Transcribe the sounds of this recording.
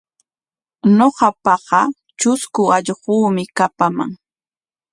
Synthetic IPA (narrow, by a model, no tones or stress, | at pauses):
noɢɑpɑɢɑ | t͡ʃʊskʊɑʎɢuːmɪkapama̰ŋ